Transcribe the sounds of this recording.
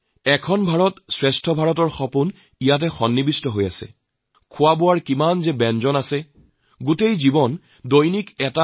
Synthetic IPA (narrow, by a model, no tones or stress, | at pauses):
ɛkʰɔnbʱaɹɔtsɹɛstʰɔbʱaɹɔt̬ɔɹxɔpun | ijat̬ɛxɔnːibistɔɦoja̰sɛ̰ | kʰʊwabowaɹkimanzɛbɛnzɔnasɛ | ɡutejzibɔn | dojnikɛta